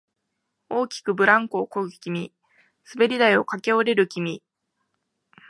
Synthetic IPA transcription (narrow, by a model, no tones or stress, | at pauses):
o̞ːkʲi̥kɯ̟bɯ̟ɾãŋko̞ːkoɡkʲimʲi | sɨbe̞ɾʲid̪aio̞kake̞oɾe̞ɾɯ̟kʲimʲi